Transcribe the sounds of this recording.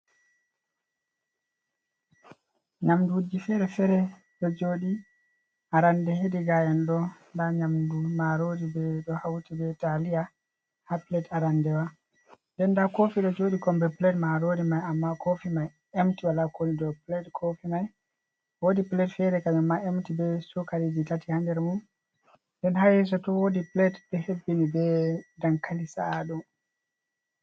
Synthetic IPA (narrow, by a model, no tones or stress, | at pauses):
ɲamduud͡ʒifɛɾɛfɛɾɛ | ɗɔd͡ʒoɗi | ʔaɾandɛhediɡajɛnɗɔndaɲamdumaɾodibɛɗɔhawtibɛtalija | hapilɛdaɾandɛwa | dɛndakofiɗɔd͡ʒoɗikɔmbɛplɛtmaɾodimajamːakofimaj | emtiwalakolidɔplɛtkʰofimaj | wodiplɛtfɛɾɛkad͡ʒamːaemtibɛsukaɾid͡ʒitatihandɛɾmun | ndɛnhajɛs̬ɔtɔwodiplɛtbɛhebːinibɛdaŋkalisaːɗɔ